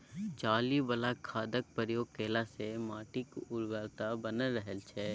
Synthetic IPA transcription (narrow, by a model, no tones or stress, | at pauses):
t͡ʃaːlibəlakʰːaːd̪ək̚pəɾjoːɡ̚keːlasemaːʈɪkʊɾwɛːlt̪abənəɾəɦəlt͡ʃʰɛː